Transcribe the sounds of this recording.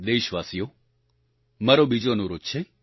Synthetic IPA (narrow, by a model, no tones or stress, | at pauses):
d̪eʃʋaːsijo | mɐɾobid͡ʒonũɾot̪t͡ʃʰe